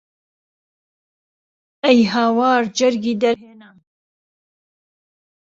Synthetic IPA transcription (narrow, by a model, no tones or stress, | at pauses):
ɛjɦaːwɑːɾd͡ʒɐɾɡiːd̪ɐɾɦeːna